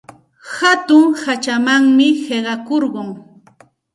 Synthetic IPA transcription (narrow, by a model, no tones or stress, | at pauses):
hat̪ʊŋhat͡ʃamaŋmɪheɢɑkoɾɢʊŋ